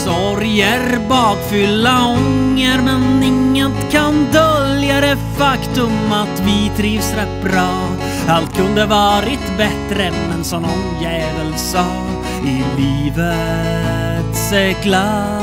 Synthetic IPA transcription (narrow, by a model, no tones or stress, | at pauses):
sɔ | ɾjəɾbɑːɡ̪fʏlːaɔŋːəɾmɛnɪŋːət̪kʰand̪œljad̪ɛfakt̪ɵmat̪vɪt̪ʰɾiːvsɾɛt̪̚bɾɑː | alt̪̚kʰɵnd̪əvɑːɾɪt̪bɛt̪ɾənɛnsɔmnɔnjɛːvəlsɑ | ɪliːvə | t̪sɛkla